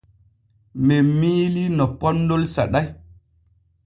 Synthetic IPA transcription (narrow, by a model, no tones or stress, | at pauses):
memiːlinɔpɔnːdolsa̰ɗaj